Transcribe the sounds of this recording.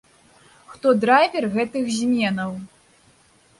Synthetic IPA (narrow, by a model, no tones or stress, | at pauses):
xt̪ɔd̪ɾajvʲɛrɣɛt̪ɨxzʲmʲɛnɐw